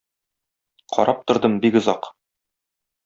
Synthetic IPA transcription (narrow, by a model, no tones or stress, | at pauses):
qʰɒ̰ɾʔɑp̚t̪ŏɾd̪ɤmbikŏzɑq